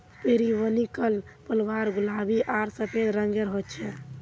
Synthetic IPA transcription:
peɾiʋənikəlpəlʋaɾɡulabiʔaɾsəpʰed̪ɾəŋɡeɾɦot̪t͡ʃʰɛ

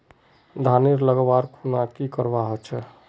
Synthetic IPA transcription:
d̪ʱaniɾləɡəbaɾkʰunakikəɾbaɦɔt͡ʃʰɛ

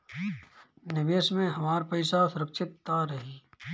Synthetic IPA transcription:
nɪʋəsmẽɦɐmaːɾpɐɪsasʊɾəkʃɪt̪ːaɾɐɦiː

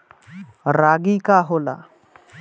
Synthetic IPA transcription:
ɾaɡiːkaɦola̰

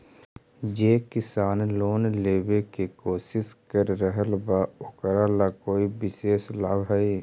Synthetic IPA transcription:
d͡ʒeːkɪsaːnloːnleːbekekoːsɪskəɾːəɦəlbaʊkɾalakoːibɪseːslaːbɦɛi

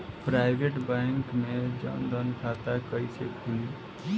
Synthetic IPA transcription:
pɾaɪbeʈbɛ̃ŋkmed͡ʒə̰nd̪ənkʰat̪akəjsekɦui

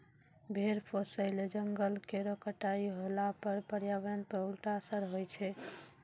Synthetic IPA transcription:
bʱeɾpʰosəɪled͡ʒəŋɡəlkeɾokəʈaiɦolapəɾpəɾjaʋənpəɦulʈasəɾɦojt͡ʃʰɛ

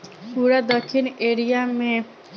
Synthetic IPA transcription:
puɾad̪ɔkʰːineɾijame

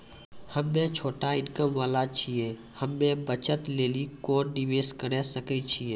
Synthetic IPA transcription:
həmːẽt͡ʃʰoːʈaɪnkəmʋaːlat͡ʃʰieː | həmːẽbət͡ʃət̪leːlikɔːnɖiʋeːskəɽɛsəkɛt͡ʃʰieː

